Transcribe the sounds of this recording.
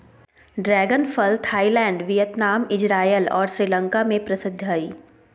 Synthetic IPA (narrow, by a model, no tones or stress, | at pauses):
ɖɾɛːɡənfəlt̪ʰaːilɛ̃ːɳɖʋɪjət̪naːmɪd͡ʒɾaːjəlɔ̰ːɾʃɾiːlə̃ŋkamẽpɾɐsɪd̪ʱːaːiː